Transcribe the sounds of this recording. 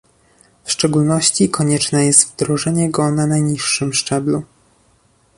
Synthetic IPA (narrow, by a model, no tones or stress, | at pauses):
fʂt͡ʂɛɡulnɔɕt͡ɕikʰɔɲɛt͡ʂnɛjɛst̪vd̪ɾɔʐɛɲɛɡɔnanajɲiʂːɘmʂt͡ʂɛblu